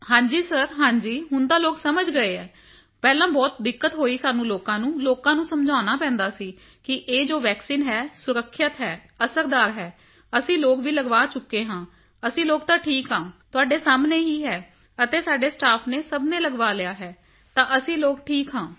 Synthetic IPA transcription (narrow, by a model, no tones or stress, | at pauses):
hãːɲd͡ʒiːsəɾɦãːɲd͡ʒiːɦʊnd̪aːloːksəməd͡ʒɡəeːɛː | pɛːlãːbɔːt̪̚d̪ɪkːət̪ɦoːiːsaːnũːloːkãːnũːloːkãːnũːsəmd͡ʒaːnaːpɛ̃ːnd̪aːsiː | kɪʔeːd͡ʒoːʋɛːksiːnɦɛːsʊɾəkʰːjət̪ɦɛː | əsəɾd̪aːɾɦɛː | əsĩːloːkʋiːləɡʋaːt͡ʃʊkːeːɦãː | əsĩːloːk̚t̪ãːʈʰiːkɦãːt̪ʊaːɖeːsaːmneːɦiːɦɛː | ət̪eːsaːɖeːsʈaːpʰneːsəbneːləɡʋaːlɪjaːɦɛː | t̪ãːʔəsĩːloːkʈʰiːkɦãː